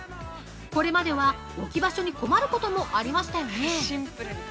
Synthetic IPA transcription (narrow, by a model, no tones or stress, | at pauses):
ko̞ɾe̞mad̪e̞βa | okʲibaɕo̞ɲ̟iko̞maɾɯ̟ko̞t̪o̞mo̞ʔaɾʲimaɕi̥t̪ajo̞ne